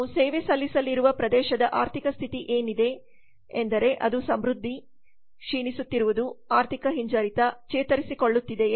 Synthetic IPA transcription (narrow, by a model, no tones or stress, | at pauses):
seːʋesɐlːisɐlːiɾuʋɐpɾɐd̪ɛːʃɐd̪ɐʔaːɾt̪ʰikɐst̪ʰit̪iʔeːnid̪e̞ː | nd̪ɐɾe̞ʔɐd̪usɐmɾud̪ʱːi | ʃiːnisut̪ːiɾuʋud̪uaːɾt̪ʰikɐɦiɲd͡ʒɐɾit̪ɐt͡ʃɛːt̪ɐɾisiko̞ɭːut̪ːid̪e̞